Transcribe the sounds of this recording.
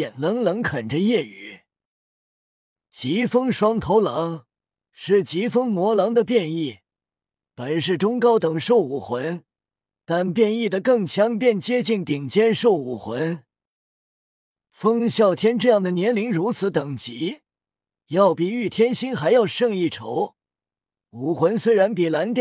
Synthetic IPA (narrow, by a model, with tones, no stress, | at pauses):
ɛ˨˩nlə˧˥ŋlɤ˧˥ŋkʰə˨˩nʈ͡ʂə˦jɛ˥˩y̰˨˩˦ | t͡ɕi˧˥fɤ˥ŋʂwɑ˥ŋt̪ʰo˧˥ʊlɑ˧˥ŋ | ʂɻ̩˥˩t͡ɕi˧˥fɤ˥ŋmwɔ˧˥lɑ˧˥ŋd̪ə˧pjɛ˥˧ni˥˩ | pə˨˩nʂɻ̩˥˩ʈ͡ʂʊ˥ŋkɑ˥ʊt̪ɤ˨˩ŋʂo˥˩ʊu˨˩xwə˧˥n | t̪a˥˧npjɛ˥˧ni˥˩d̪ə˩kɤ˥˩ŋt͡ɕʰjɑ˧˥ŋpjɛ˥˩nt͡ɕjɛ˥t͡ɕi˥˩nt̪i˨˩ŋt͡ɕjɛ˥nʂo˥˩ʊu˨˩xwə˧˥n | fɤ˥ŋɕjɑ˥˩ʊt̪ʰjɛ˥nʈ͡ʂɤ˥˧jɑ˥˩ŋd̪ə˩njɛ˧˥nli˧˥ŋɻu˧˥t͡sʰɹ̩˧˥t̪ɤ˨˩ŋt͡ɕi˧˥ | jɑ˥˩ʊpi˨˩y˥˩t̪ʰjɛ˥nɕi˥nxa˧˥ɪjɑ˥˧ʊʂɤ˥˧ŋi˥˩ʈ͡ʂʰo˧˥ʊ | u˨˩xwə˧˥nswe˥ɪɻa˧˥npi˨˩la˧˥nt̪